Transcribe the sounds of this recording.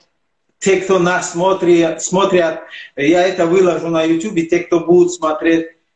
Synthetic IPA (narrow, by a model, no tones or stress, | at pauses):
t̪ʲʰekt̪onasːmot̪ɾiat̪smot̪ɾʲjat̪̚jaɛt̪ɐvɨlˠɐʒunajut̪ʲjubɪt̪ʲek̚t̪obud̪ut̪smat̪ɾʲet̪̚ʲ